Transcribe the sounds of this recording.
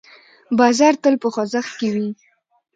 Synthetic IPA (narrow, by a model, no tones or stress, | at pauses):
bɑzɑɾt̪əlpəxozaxkewi